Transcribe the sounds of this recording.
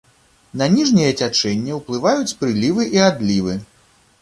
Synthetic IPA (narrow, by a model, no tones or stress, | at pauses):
nɐnʲiʐnʲijɛt͡sʲat͡ʂɛnʲːiwplˠɨvajut͡sʲpɾɨlʲivɨʔiad̪lʲivɨ